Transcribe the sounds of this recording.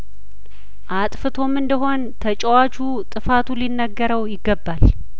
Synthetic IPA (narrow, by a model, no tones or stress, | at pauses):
ʔat̪ʼfɨt̪ʰo̞mɨnd̪əɦo̞nt̪ʰət͡ʃʼəwat͡ʃu | t̪ʼɨfat̪ʰulinːəɡːəɾəwjɪɡːəbːal